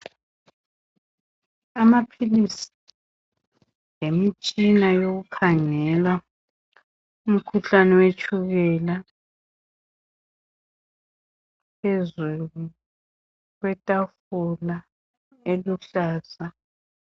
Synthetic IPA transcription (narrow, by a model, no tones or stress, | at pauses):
amapʰilisi̥ | lemit͡ʃʼinajoɣukʰaŋɛla | um̩kʰuɬanɛwet͡ʃʰʼuɣɛla | pʰezulu | ɣwɛtʼafula | eluɬaːza